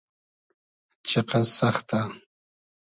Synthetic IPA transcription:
t͡ʃeqɑsɑχt̪a

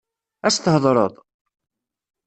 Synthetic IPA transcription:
æst̪əhðˤɾˤə̰ðˤ

